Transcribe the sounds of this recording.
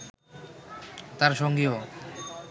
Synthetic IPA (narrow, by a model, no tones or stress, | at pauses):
t̪aɾʃoŋɡio